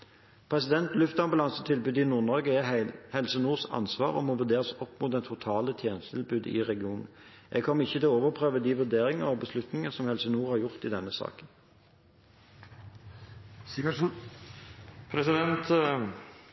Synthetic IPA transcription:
pʰʁɛsɪd̪ɛnt̪lʉft̪ɑmbɑlɑnsət̪ʰɪlbʉːd̪ɪnuːʁnɑːɡəɛhɛlsənuːʁsɑ̰nsʋɑːʁɔ̰moːʋʉd̪eːʁəsɔpːmʊːt̪̚d̪ɛnt̪ʰʊt̪ʰɑːlət̪ʰjeːnəst̪ʰɪ̰lbʉːd̪ɪ̰ʁɛɡɪuːnn̩ʔɛ̰ɡ̚kʰɔmːəɪçːət̪ɪloːʋəʁpʰʁøːʋəd̪iːʋʉd̪eːʁɪŋəʁɔbəslʉt̪nɪŋəsɔmhɛlsənuːʁhɑʁjʊʁt̪ɪːd̪ɛnːəsɑ̰ːkən | s | pʰɾɛsɪd̪ɛnt̪

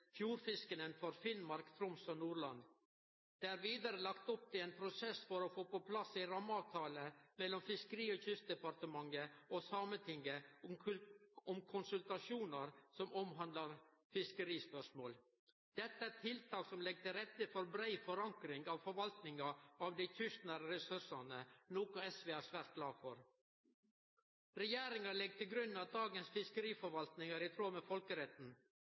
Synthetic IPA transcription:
fjuːɾfɪskənənfɔɾfɪnmɑɾkt̪ʰɾʊmsɔnuːɾɭɑnd̪ | d̪̥eːæɾʋiːd̪əɾəlɑkt̪ɔp̚t̪ʰɪeːnpʰɾʊsɛsfɔɾoːfoːpɔpʰlɑsiɾɑmːəɑːʋt̪ʰɑːləmɛlːɔmfɪskəɾiːoːçʏst̪̚d̪ɛpɑɾt̪əmɑŋəosɑːmət̪ʰɪŋɡə | ɔmkʰʊnsʉlt̪ɑʃuːnəɾsɔmɔmɦɑnd̪lɑɾfɪskəɾiːspœʂmoːl | d̪̥ɛt̪ːəæt̪ʰɪlt̪ʰɑːksɔmlɛɡ̚t̪ɪɾɛt̪ːəfɔɾbɾæɪfɔɾɑŋkɾɪŋɡɑʋfɔɾʋɑlt̪nɪŋɑɑʋd̪ɪt̪ʰʏʂt̪nəɾəɾɛsʉʂɑnənoːkʊɛsʋeːæɾsʋæːɾt̪̚ɡlɑːfɔɾ | ɾɛjeːɾɪŋɑlɛɡ̚ːt̪ʰɪlɡɾʉnːɑd̪ɑːɡənsfɪskəɾiːfɔɾʋɑlt̪nɪŋɑɾɪt̪ʰɾoːmɛfɔlkəɾɛt̪n̩

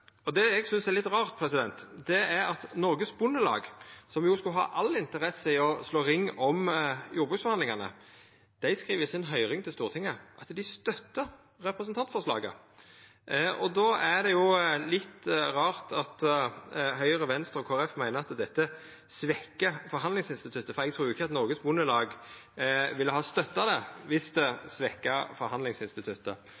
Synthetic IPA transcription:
ɔd̪ɛɛɡsʏnsɛɾlɪt̪ːɾɑːʁt̪̚pʰɾɛsɪd̪ɛnt̪d̪ɛæɾɑt̪nɔɾɡəsbʊnːəlɑ̰ːɡsɔmjʊskʉlɦɑ̰ːʔɑlɪnt̪əɾɛsəɪɔsloːʁɪŋːɔmjuːɾbʉːk̪sfhɑnlɪŋɑnə̰ | d̪̥æɪskɾiːʋəsɪnɦœʏʁɪŋt̪ʰɪlst̪uːʁt̪ʰɪŋːəʔɑt̪d̪ɪst̪œt̪ːə | ɾɛpɾɛsənt̪ʰɑnt̪fɔʂlɑ̰ːɡə̰ | ʔɔd̪oːæd̪ɛjʊlɪt̪ːʁɑːɾt̪ɑt̪ | ɦœʏɾəʋɛnst̪əɾɔkʰoːæɾɛfmæɪnəɑt̪d̪ɛt̪ːə | sʋɛkːəfɔɾɦɑnd̪lɪŋsɪnst̪ɪt̪ʰʉt̪ːəfɔɾɛɡ̚t̪ʰɾuːʊɪçəɑt̪nɔɾɡəsbʊnəlɑːɡ | ʋɪlːəɦɑːst̪œt̪ːɑd̪ɛʋɪsd̪ɛsʋɛkːɑfɔɾɦɑnd̪lɪŋsɪnst̪ɪt̪ʰʉt̪ːə̰

